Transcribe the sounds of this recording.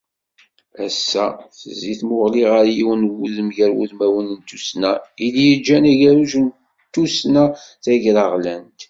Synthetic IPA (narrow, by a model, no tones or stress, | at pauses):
æsːæθəziθmʊʁliʁəɾjiwənwuðəmʝæɾwṵðmæwənənt̪usnæilijəd͡ʒːænæʝæɾuʒn | t̪ːusnæθæʝɾəʁlænt̪